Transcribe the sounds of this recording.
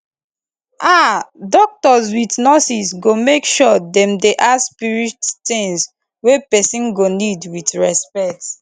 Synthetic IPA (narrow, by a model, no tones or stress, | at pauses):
adɔk̚tɔzwitnɔsisɡomekʃɔdɛ̃mdeʔaspiɹittĩŋs | wepɛsĩnɡonidwitɹɛspɛt